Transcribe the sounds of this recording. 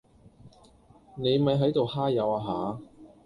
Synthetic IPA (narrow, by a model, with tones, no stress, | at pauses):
ne˨˧jmɐ˨˧jɦɐ˨˥jt̪o˨whaː˥jɐ˨˧waː˧ɦaː˨˥